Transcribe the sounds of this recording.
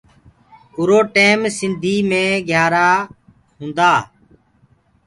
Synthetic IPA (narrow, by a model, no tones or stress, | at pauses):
ʊɾoːʈeːmsɪnd̪ʱiːmẽːɡʱjaːɾaː | ɦũːnd̪aː